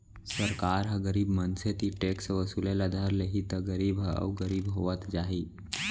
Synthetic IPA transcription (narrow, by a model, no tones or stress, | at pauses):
səɾkaːɾɦə̃ɡəɾiːbmənset̪iʈeːksʋəsulelad̪ʱaɾleɦit̪əɡəɾiːbɦə̰ʋɡəɾiːbɦoʋət̪d͡ʒaːɦi